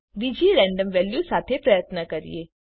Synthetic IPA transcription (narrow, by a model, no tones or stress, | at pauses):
ɖiːd͡ʒiɾɛ̃ːɳɖəmʋɛːljusaːt̪ʰepɾɐjət̪nəkɐɾḭeː